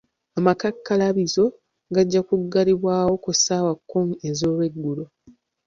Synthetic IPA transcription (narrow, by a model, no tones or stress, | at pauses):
amakakːalaβizo̞ | ɡaɟːakuɡːaliβwaːwo̞kusaːwakːuŋezo̞ːlwe̞ɡːulo